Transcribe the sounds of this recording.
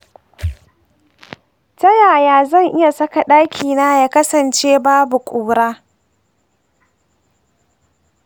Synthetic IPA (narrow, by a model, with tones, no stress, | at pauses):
tɐ˦jaː˨jaː˨˦zɐ˦˨ŋʔɪ˦ja˨sɐ˦ka˨ɗaː˦kʲʰiː˨naː˦jaː˦kɐ˦sɐ˨nt͡ʃeː˦baː˦bu˨kʷʼuː˨ɾaː˦